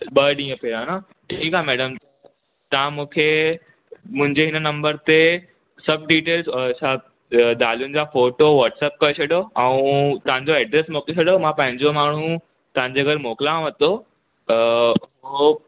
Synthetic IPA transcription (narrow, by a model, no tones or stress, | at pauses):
ɓɐɗĩːə̃peãːna | ʈʰiːkamɛːɖəm | t̪ɐãmũːkʰe | mʊ̃ɦɪ̃ɲd͡ʑeɦɪnənɐ̃mbəɾt̪e | sɐb̚ɖiːʈeːlzɔsa | d̪aːljʊnɪ̆d͡ʑaːfoːʈoʋɔːʈsɛːp̚kɐeɕʰɐɗjoɛ̃ũt̪ɐʋãɲd͡ʑoɛːɖɾeːsmokeɕʰɐɗomãpɐ̃ɦɪ̃ɲd͡ʑomaːɳ̤ũ | t̪ɐʋãɲd͡ʑeɡəɾmoːklãʋɐt̪o | oo